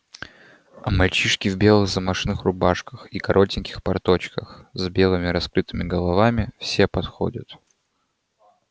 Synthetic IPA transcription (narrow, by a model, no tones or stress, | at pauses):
ɐmɐlʲt͡ɕiʂkʲɪvbʲe̞lˠɨɣzəmɐʂnɨxrʊbaʂkəxikɐɾʔo̞tʲɪnʲkʲɪ̥xpɐrt̪o̞t͡ɕkəxzbʲe̞lˠɨmʲɪɾɐskɾɨt̪ɨmʲɪɡəlˠɐvamʲɪfsʲepɐt̪xo̰dʲət̪